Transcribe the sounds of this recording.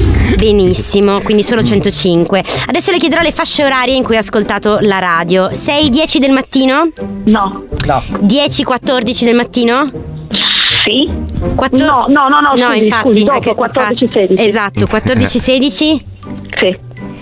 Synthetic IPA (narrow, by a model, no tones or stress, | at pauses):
benisːimokwind̪isoːlot͡ʃɛnt̪ot͡ʃiŋkwead̪ɛsːolekjed̪eɾɔlːefaʃːeoɾaːɾjeiŋkujaskolt̪aːt̪olaɾaːd̪josɛjd̪jɛːt͡ʃid̪elmat̪ːiːnonɔ | d̪jɛːt͡ʃikwat̪ːord̪it͡ʃid̪elmat̪ːiːno | sikwaɔnɔnɔnɔnɔĩɱfat̪ːikkwat̪ːoɾd̪it͡ʃiseːd̪it͡ʃezat̪ːokwat̪ːord̪it͡ʃiseːd̪it͡ʃi | si